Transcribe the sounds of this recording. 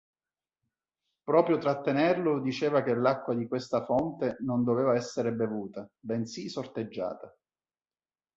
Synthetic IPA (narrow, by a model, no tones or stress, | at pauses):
pɾɔːpɾjot̪ɾat̪ːenɛrlʊd̪it͡ʃeːvak̟elːakːwad̪ikwest̪afɔnt̪enond̪oveːvaɛsːeɾebevuːt̪abɛnsisort̪ed͡ʒːa̰ːt̪a